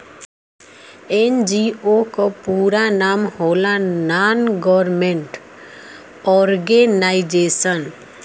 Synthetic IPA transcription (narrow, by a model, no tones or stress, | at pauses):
end͡ʒiokopuːɾanaːmhoːlanaːnɡɔɾmẽɳʈ | ɔɾɡenaɪd͡ʒeːsən